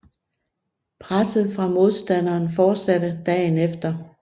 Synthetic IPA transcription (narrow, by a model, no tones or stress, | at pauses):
pʰʁasð̞̩ˠfʁɑ̈mo̝ð̞ˠsd̥æn̰ɐːnfɒːd̥sæd̥əd̥ɛ̰ːnefd̥ɐ